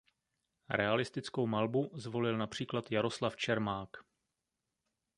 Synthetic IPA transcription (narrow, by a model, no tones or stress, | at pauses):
ɾɛalɪst̪ɪt͡sko̞wmalbuzvo̞lɪlnapr̝̥iːklat̪jaɾo̞slaft͡ʃɛɾmaːk